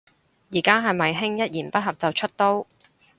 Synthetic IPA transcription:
jiː˨˩kaː˥ɦɐ˨jmɐ˨jɦɪ˥ŋjɐ˥t̚jiː˨˩npɐ˥t̚ɦɐ˨p̚t͡sɐ˨wt͡ʃʰɵ˥t̚t̪o˥w

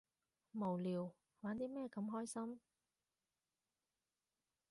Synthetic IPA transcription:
mo˨˩wliː˨˩w | waː˨˥nt̪iː˥mɛː˥˧kɐ˨˧˥mɦɔː˥jsɐ˥m

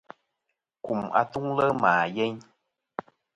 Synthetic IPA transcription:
ku˨ma̰˧t̪u˦ŋlə˦maː˨je˦ɲ

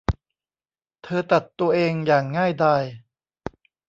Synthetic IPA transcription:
t̪ʰɤː˧t̪a˨˩t̪ːu˧ɐʔeː˧ŋjaː˨˩ŋːaː˥˩jdaː˧j

